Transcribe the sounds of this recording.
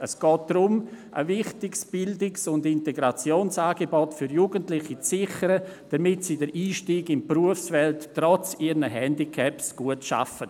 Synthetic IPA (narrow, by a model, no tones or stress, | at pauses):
əsɡ̥ɔːt̚d̥rʊmʔə̰vɪχtɪksb̥ɪldɪksʊndɪnteɡɾat͡sjoːnsaːɡebɔtfʏɾjuːɡəntlɪχit͡sːɪχəɾəd̥ɐmɪtsiːdəɾʔiːʃtiːɡɪmpruəfsfɛltːrɔt͡siːɾnəɦɛndikʰɛpsɡ̥uətʃa̰fə